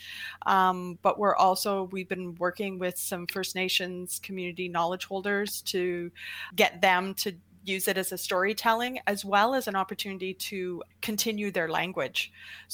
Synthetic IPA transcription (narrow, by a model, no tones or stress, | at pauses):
ʔb̥ʌʔwɪɹʔɔlˠsoʊwivbɨ̃nwɜ˞kɪ̃ŋwɪð̥sʌ̃ɱfɜ˞sneɪʃɨ̃nz̥kʰm̩jʉnɨɾinɑlˠəd̥ʒ̥hoʊlˠdə˞z̥tʰɨɡɛt̪̚ðɨ̃mtʰɨ | jʉzɨɾɨzɨstɔɹitʰɛlˠɪ̃ŋɨzwɛlˠəzɨ̃nɑpə˞tʰʉnɨɾiɾɨkʰɨ̃ntʰɪ̃njʉðə˞læ̰̃ŋɡwɪd̥ʒ̥